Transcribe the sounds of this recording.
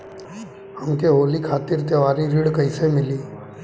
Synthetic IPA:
ɦɐmkeɦoːlikʰaːt̪ɪɾt̪jeʋaːɾiɾɪːɽkəisemɪliː

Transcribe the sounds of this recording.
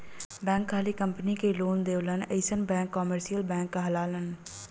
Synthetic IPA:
bɛ̃ːŋkʰːaːlikə̃mpnikeloːnd̪eːʋləneɪsənbɛ̃ːŋkːɔːməɾsijəlbɛ̃ːŋkːaɦɐlaːlən

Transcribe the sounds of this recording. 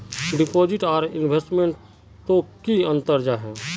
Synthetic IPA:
ɖɪpoːd͡ʒɪʈaːɾɪnbʱesʈmẽɳʈ | t̪okiə̃nt̪əɾd͡ʒaɦɛ̃ː

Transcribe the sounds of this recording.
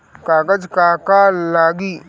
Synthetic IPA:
kaːkɐd͡ʒkakalaːɡi

